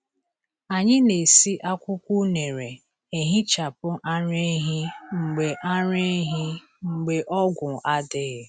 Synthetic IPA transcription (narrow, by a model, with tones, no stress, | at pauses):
a˨ɲɪ˦ne˨si˦ʔa˦kʷʊ˦kʷu˦ne˨ɾe˨ | e˨ɦɪ˦t͡ʃa˨pʊ˦ʔa˦ɾe˦ɦɪ˦ŋ͡m̩˨ɡ͡be˨ʔa˦ɾe˦ɦɪ˦ | ŋ͡m̩˨ɡ͡be˨ʔɔ˦ɡʷʊ˨ʔa˦dɪ˦ɣɪ˨